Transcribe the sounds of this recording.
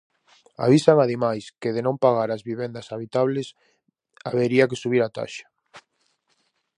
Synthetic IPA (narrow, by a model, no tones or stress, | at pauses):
a̰β̞isaŋaðimajskeðenõmpaɣ̞aɾazβiβend̪asaβit̪aβles | aβeɾiak̬esuβiɾat̪a̰ʃḁ